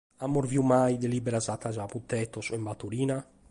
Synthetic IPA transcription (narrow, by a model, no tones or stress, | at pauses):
amːoɾviumajd̪elibɛɾazat̪ːazaput̪ːɛt̪ɔsɛmbat̪ːuɾiːna